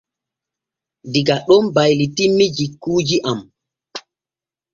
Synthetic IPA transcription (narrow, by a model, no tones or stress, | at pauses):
diɡaɗɔmbajlitimːid͡ʒikːuːd͡ʒiʔam